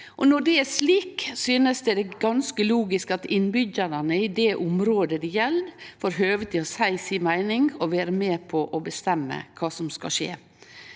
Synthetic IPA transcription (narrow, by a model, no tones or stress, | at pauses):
ʔɔnɔɖɛæʂliːksyːnəsd̪ɛd̪ɛɡɑnskəluːɡɪskɑt̪ɪnbʏɟəɾɑnəɪd̪ɛːʔʊmɾoːd̪əd̪ɪjɛlːfoːɾɦøːʋət̪ʰɪɔsæɪsimæɪnɪŋɔʋæːɾəmeːpʰɔʔɔbəst̪ɛmːə̰kʰɑːsɔmskɑ̰ʃḛː